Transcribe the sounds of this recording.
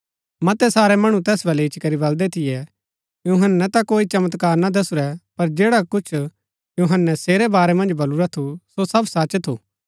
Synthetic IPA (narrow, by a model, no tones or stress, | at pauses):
mɐt̪ɛsaːɾɛmɐɽ̃ũt̪ɛːsbɐlɛɪt͡ʃʰkɐɾibɐld̪ɛt̪ʰɪjɛ | juɦənːɛt̪akoːit͡ʃɐmət̪kaːɾnad̪ɐsʊɾɛpɐɾd͡ʒeːɽakʊt͡ʃʰ | juɦənːɛseːɾɛbaːɾɛmɐ̃nd͡ʒbɐluɾat̪ʰusosɐbsɐt͡ʃt̪ʰuː